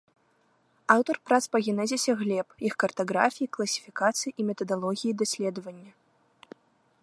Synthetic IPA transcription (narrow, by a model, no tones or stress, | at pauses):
awt̪ɐrpɾat̪spɐɣʲɛnɛzʲɛsʲɐɣlʲɛpjixkɐrt̪aɣɾa̰fʲijiklˠɐsʲi̥fʲikat̪sɨjiʔimʲɛt̪ɐd̪alˠɔɣʲijid̪asʲlʲɛd̪ɐvɐnʲːɐ